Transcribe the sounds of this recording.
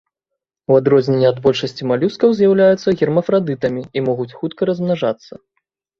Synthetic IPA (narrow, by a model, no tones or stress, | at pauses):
wad̪ɾɔzʲnʲɛnʲːɛad̪bɔlʲʂɐsʲt͡sʲimalʲuskɐwzʲjawlʲajut̪sːɐɣʲɛrmɐfɾad̪ɨt̪ɐmʲiimɔɣut͡sʲxut̪kɐɾɐzmnaʐat̪sːɐ